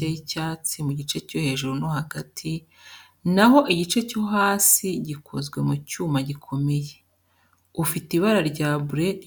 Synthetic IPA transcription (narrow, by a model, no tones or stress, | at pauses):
eicaːt͡simuɟit͡ʃe̞co̞he̞ʒuɾunohaɡatʰi | naɦo̞ʔiɟit͡ʃe̞co̞ɦaːsiɟikʰozɡwe̞mucuːmaɟikʰo̞me̞je | ufitiβaɾaɾɟaːβuɾe̞